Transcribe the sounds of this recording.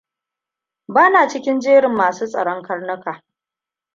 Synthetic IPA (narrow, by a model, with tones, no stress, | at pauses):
baː˦naː˨t͡ʃɪ˦kʲɪ˦nd͡ʒeː˦ɽɪ˨mːaː˨suː˦sʼɐ̰˨ɽɔ˦ŋkɐ˦rnɐ˦kaː˨